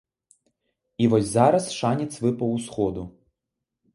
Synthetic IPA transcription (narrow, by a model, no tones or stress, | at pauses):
ivɔsʲzaɾɐsʂanʲɛt̪sʲvɨpɐwsxɔd̪u